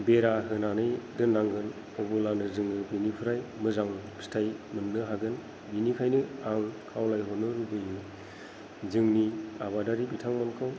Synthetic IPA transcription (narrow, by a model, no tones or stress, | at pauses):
beɾaɦɯnanɯjdɯnːaŋɡɯn | ɔbɯlanɯzɯŋɯbinipʰɯɾajmɯzaŋpʰi̥stʰajmɯnːɯɦaɡɯn | binikʰajnɯaŋkʰawlajɦɔnɯɾubɯjɯ | zɯŋniaβadaɾibitʰaŋmankʰɯw